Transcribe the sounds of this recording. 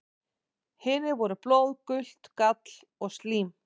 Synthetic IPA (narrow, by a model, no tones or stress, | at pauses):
hɪːnɪvɔɾʏploːwðkʏl̥t̪kat̪l̥ | ɔɣst̪liːm